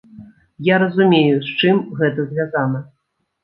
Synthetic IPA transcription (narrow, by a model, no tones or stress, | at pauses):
jaɾɐzumʲejust͡ʂɨmɣɛt̪ɐzʲvʲazanɐ